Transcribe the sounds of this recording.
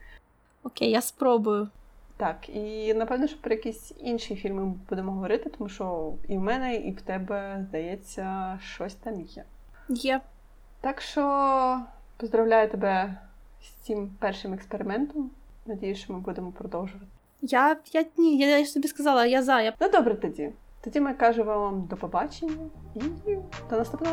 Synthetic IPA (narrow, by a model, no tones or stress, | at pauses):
ɔkejjaspɾɔbʊjʊt̪ɑkinɐpɛwnɔʃt͡ʃɔ̥pɾɔjɐkʲisʲinʃijifʲilʲmɪb̥ud̪emɔɦɔʋɔɾɪt̪ɪt̪ɔmuʃt͡ʃɔiwmɛnɛiwt̪ɛbɛzd̪ɐjɛt͡sʲːɐʃt͡ʃɔsʲt̪ɑmʲjɛ | jɛ | t̪ɑkʃt͡ʃɔ | pɔzd̪ɾɐwlʲajʊt̪ebɛ | sʲt͡sʲimpɛrʃɪmɛkspeɾɪmɛnt̪ɔm | nɐdʲijʊʃt͡ʃɔmɪbud̪emɔpɾɔd̪ɔwʒʊʋɐt̪ɪ̥ | jajanʲijaaʃt̪ɔbʲiskɐzɑlˠɐjazɑjanud̪ɔbɾɛt̪ɔdʲi | t̪ɔdʲimɪkɑʒɛʋaʋamd̪ɔpɔbɑt͡ʃenʲːɐid̪̥ɔnɐst̪upnɔ